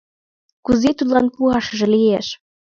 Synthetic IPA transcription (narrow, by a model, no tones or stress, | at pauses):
kuzet̪ut̪lɑnpuɑʃɤ̆ʒɤ̆lijeʃ